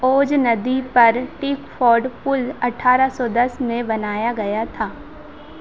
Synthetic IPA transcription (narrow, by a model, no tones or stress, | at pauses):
oːd͡ʒnɐd̪ipɐɾʈiːkfʰɔːɾɖpʊlɐʈʰaːɾasɔd̪ɐsmẽbɐnaːjaɡɐjat̪ʰaː